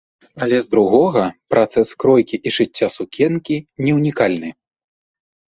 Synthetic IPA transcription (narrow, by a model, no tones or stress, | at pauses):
ɐlʲɛzd̪ɾuɣɔɣɐpɾʔat̪sɛskɾɔjkʲiʔiʐɨt͡sʲːasukʲʰɛnkʲinʲɛwnʲikalʲnɨ